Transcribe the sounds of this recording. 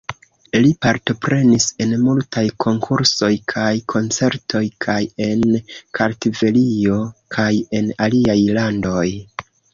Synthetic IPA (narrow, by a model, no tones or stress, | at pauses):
lipaɾto̞pɾe̞nise̞nmultajkʰo̞ŋkʰuɾso̞jkʰajkʰo̞nt͡se̞ɾtʰo̞jkʰaje̞nkʰaɾtive̞lio̞kʰaje̞naliajlando̞j